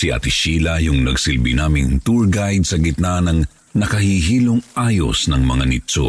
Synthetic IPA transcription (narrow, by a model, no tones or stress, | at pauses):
siʔɐ̰t̪ɪʃiːlɐjʊŋnɐɡsɪlbinaːmɪnt̪uɹɡajd̪̚sɐɡɪt̪̚nanɐŋ | nɐkɐhiɦiːloŋʔaːjo̰snɐŋmɐŋanɪtt͡ʃo̰